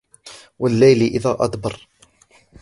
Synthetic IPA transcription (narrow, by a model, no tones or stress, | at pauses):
wəlːæjliʔiðæʔɑ̰d̪ˤbərˤ